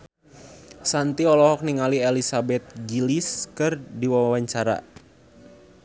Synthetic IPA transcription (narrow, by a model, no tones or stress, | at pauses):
sant̪iɔlɔɦɔk̚niŋalielisabɛt̪̚ɡiliskɨrdiwaawaɲt͡ʃaɾa̰